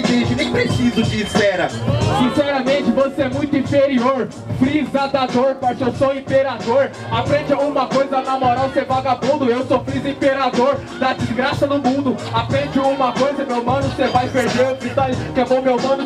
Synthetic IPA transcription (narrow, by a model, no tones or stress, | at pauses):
ɡĩt͡ʃɪnẽj̃pɾesizʊd͡ʒispɛɾɐsĩsɛɾɐmẽt͡ʃɪvoseɛmũj̃t̪ʊĩfeɾioɾ | fɾizad̪ad̪oɾpaɾt͡ʃewsoĩpeɾad̪oɾ | apɾẽd͡ʒũmɐkojzɐanamɔɾawsevaɡabũd̪ʊewsofɾizɐĩpeɾad̪oɾ | d̪ɐd͡ʒɪzɡɾasɐd̪ʊmũd̪ʊapɾẽd͡ʒɪũmɐkojzɐmewmɐ̃nʊsevajpeɾd̪eɾpɾit̪alkemõmewmɐ̃nʊ